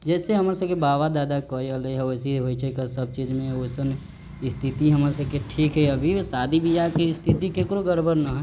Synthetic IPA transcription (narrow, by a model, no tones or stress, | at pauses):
d͡ʒɛːseɦɐmɾsəbkebaːʋad̪aːd̪akɔːiəleɦɛosiɦoit͡ʃʰəkasəb̚t͡ʃiːzmẽoːsən | ɪst̪ʰit̪iɦəmaɾesəbkeʈʰiːkɦɛɐbʱisaːd̪ʱibʱijakist̪ʰɪt̪ikekɾoɡəɾbʱəɾnaɦɛ